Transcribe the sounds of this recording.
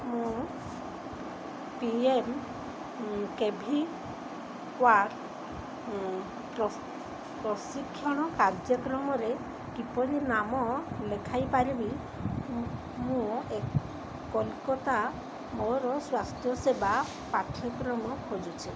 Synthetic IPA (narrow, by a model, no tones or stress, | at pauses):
mũ | piem | kebʱi | kwaɾ | pɾɔ | pɾɔsikʰːjɔɽ̃ɔkaɾd͡ʒjɔkɾɔmɔɾe | kipɔɾinamɔlekʰajpaɾibi | mũekː | ɔlkɔt̪a | mɔɾɔswast̪ʰjɔseba | paʈʰjɔkɾɔmɔkʰod͡ʒut͡ʃʰi